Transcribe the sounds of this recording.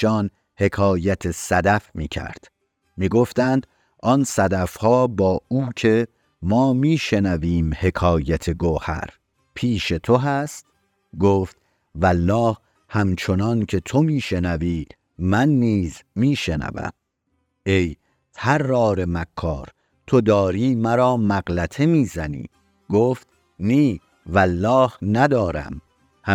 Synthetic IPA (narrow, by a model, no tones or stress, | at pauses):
ɒːn | he̞kʰɒːjæt̪ʰesæd̪æfmiːcʰæ̰ɾd̪̥ | miːɡoft̪ænd̪̥ | ɒnsæd̪æfhɒːbɒːuːcʰe̞ | mɒːmiːʃe̞næviːmhe̞kʰɒːjæt̪ʰe̞ɡohæ̰ɾ | pʰiːʃe̞t̪ʰo̞ɦæst̪ | ɡoːft̪ | vælːɒːh | hæmt͡ʃʰo̞nɒncʰe̞t̪ʰo̞miːʃe̞næviː | mænːiːzmiːʃe̞næ̰væ̰m | e̞j | t̪ʰæɾːɒːɾe̞mækʰːɒːɾ | t̪ʰo̞d̪ɒːɾiːmæɾɒːmæɡlæt̪ʰe̞miːzænḭː | ɡ̥oːft̪ | niː | vælːɒːhnæd̪ɒːɾæ̰m | h